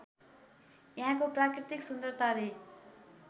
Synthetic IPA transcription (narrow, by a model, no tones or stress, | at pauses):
jaɦãkoprakrit̪iksund̪ʌrt̪ʰaɾe